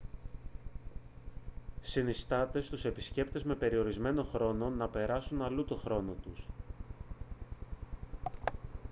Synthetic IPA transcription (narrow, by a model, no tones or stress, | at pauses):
sinist̪ɐt̪e̞st̪use̞pisce̞pt̪e̞zme̞pe̞ɾio̞ɾizme̞no̞xɾo̞no̞nɐpe̞ɾɐsunɐlut̪o̞xɾo̞no̞t̪us